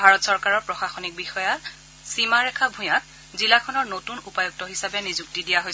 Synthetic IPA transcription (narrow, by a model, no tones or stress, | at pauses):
bʱaɹɔtsɔɹkaɹɔɹpɹɔxaxɔnik̚bixɔja | simaɹɛkʰabʱũjat̚ | zilakʰɔnɔɹnotunupajuk̚tɔɦisabɛnizuk̚tidijaɦoj